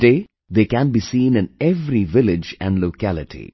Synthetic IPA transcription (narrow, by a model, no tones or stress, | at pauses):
deː | d̪eːkæ̃nbiːsĩːnɪ̃nɛʋɾiʋɪlɪd͡ʒæ̰̃nɖloːkælɪʈʰḭ